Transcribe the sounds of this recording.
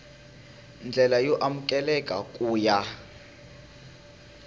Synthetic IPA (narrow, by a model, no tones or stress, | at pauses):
nd͡ɮʱɛlajɔʔamukʼɛlɛkʼakʼuːja